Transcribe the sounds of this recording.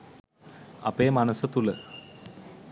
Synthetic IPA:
ɐ̰peːmɐnəsət̪ulə

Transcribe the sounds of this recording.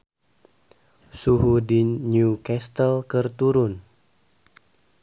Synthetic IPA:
suɦudiɲukɛst̪əlkərt̪uɾʊn

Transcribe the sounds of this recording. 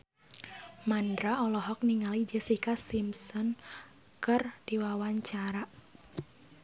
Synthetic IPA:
mandɾaɔlɔɦɔk̚niŋalid͡ʒəsikasimsɔn | kərd̥iwawaɲt͡ʃaɾa

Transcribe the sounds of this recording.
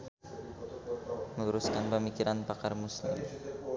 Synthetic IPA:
mənuɾuskanpəmikiɾanpakarmuslɪ̰m

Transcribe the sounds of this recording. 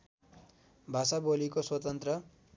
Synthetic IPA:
bʱasabolikoswʌt̪ʌnt̪rʌ

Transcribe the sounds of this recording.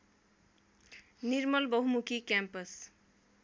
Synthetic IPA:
nirmʌlbʌɦumukʰikjampʌs

